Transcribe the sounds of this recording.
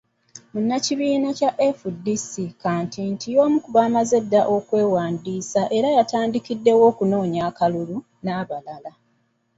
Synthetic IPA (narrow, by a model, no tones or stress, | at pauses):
munːaciβiːnacaʔefudisikaːntintijo̞ːmukuβaːmaze̞dːaʔo̞kwe̞ːwaːndiːsaʔe̞ɾajataːndikidːe̞wo̞ːkuno̞ːɲaːkalulu | naβalala